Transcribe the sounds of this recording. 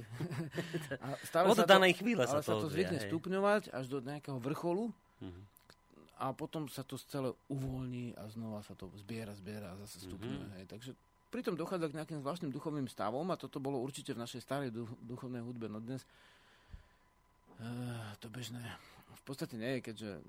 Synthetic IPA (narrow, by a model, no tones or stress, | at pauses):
ʔast̪aːlɛɔsd̪ɔad̪anɛixʋiːlɛsalaɛsat̪ɔzʋikɲɛst̪upɲɔʋaca̰ʒd̪ɔɲɛakɛɦɔʋr̩xɔlu | apɔt̪ɔmsat̪ɔst͡sɛlɛuʋɔlɲiːʔa̰znɔʋasat̪ɔzbɪɛɾazbɪɛɾaːzasɛst̪upɲṵjɛ̰ɦɛjt̪aɡʒɛ | pɾit̪ɔmd̪ɔxaːd͡zaɡɲɛakimzlaːʃtnimd̪uxɔʋʊnimst̪a̰ʋɔmat̪ɔt̪ɔbɔlɔuɾt͡ʃicɛvnaʃɛjst̪aɾɛjd̪ud̪uxɔʊnɛjɦud̪̚bɛnɔd̪ɲɛs | t̪ɔbɛʒnɛːfpɔt͡sst̪acɛɲɪɛjɛkɛɟʒɛ̰